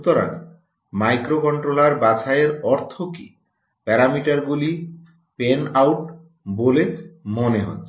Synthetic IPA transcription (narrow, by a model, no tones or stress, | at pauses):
ut̪oɾa̰ŋ | majkɾokɔɳʈɾolaɾbat͡ɕʰaeɾɔɾt̪ʰoki | pɛɾamiʈaɾɡuli | penawʈ | bolemoneɦɔ̰